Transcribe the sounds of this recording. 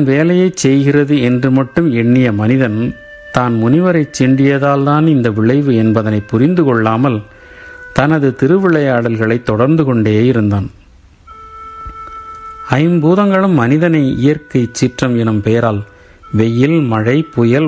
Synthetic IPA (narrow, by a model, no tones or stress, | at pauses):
nʋeːlɐjɐɪt͡ʃɛjɣɪrɐðɯɛndrɯmɐʈːɯmɛɳːɪjɐmɐnɪðɐn | t̪aːnmʊnɪʋɐɾɐɪt͡ʃːɪɳɖɪjɐðaːlt̪aːnɪnd̪ɐʋɪɭɐɪʋɯɛnbɐðɐnɐɪpːʊɾɪnd̪ɯkɔɭːaːmɐl | t̪ɐnɐðɯt̪ɪɾɯʋɪɭɐjaːɽɐlɣɐɭɐɪt̪ːɔɽɐɾnd̪ɯkɔɳɖeːjɪɾɯnd̪aːn | ɐjɪnbuːðɐŋɡɐɭɯmːɐnɪðɐnɐɪɪjɐɾkɐɪt͡ʃːɪʈrɐmɛnɯmpejɐɾaːl | ʋɛjːɪlmɐɻɐɪpʊjɐl